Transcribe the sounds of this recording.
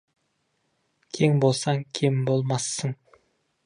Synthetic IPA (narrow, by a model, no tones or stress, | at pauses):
kʲʰe̞ŋbo̞lˠsɑŋkʲʰembolˠmɑsːəɴ